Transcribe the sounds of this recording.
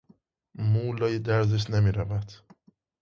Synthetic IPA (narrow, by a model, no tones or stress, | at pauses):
muːlɒːjed̪æɾzeʃ̬nemiːɾævæd̪̥